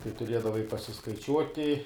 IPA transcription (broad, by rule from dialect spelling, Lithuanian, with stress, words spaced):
tɐɪ tʊˈrʲiɛdɐʋɐɪ pɐsʲɪskɐɪˈt͡ʃʲuɔtʲɪ